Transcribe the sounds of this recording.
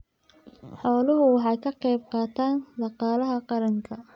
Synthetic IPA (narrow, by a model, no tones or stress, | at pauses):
ħɔːlʊɦʊwɑħɑjkʰɐqɛjb̚qɑːt̪ʰaːnd̪ɑqɑːlɐɦɐqɑɾɐŋkʰɐ